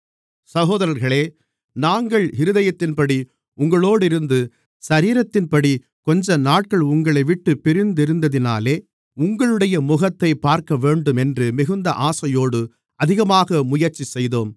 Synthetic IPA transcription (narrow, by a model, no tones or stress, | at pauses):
sɐɣoːðɐɾɐɾɣɐɭeː | naːŋɡɐɭɪɾɯðɐjɐt̪ːɪnpɐɽi | ʊŋɡɐɭoːɽɪɾɯnd̪ɯ | sɐɾiːɾɐt̪ːɪnpɐɽi | kɔɲd͡ʒɐnaːʈ̚kɐɭʊŋɡɐɭɐɪʋɪʈːɯpɪɾɪnd̪ɪɾɯnd̪ɐðɪna̰ːleː | ʊŋɡɐɭɯɽɐjɐmʊɣɐt̪ːɐɪpːaːɾkɐʋeːɳɖɯmɛndrɯmɪɣɯnd̪ɐʔaːsɐjoːɽɯ | ɐðɪɣɐmaːɣɐmʊjɐɾt͡ʃisɛjðoːm